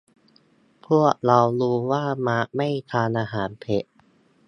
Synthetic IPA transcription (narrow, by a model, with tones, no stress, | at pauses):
pʰu˥˩ək̚ɾa˧wɾuː˦˧waː˥˩ma˦˥ʔma˥˩jt̪ʰaː˧nʔaː˧ɦaː˩˦npʰe˨˩˦ʔ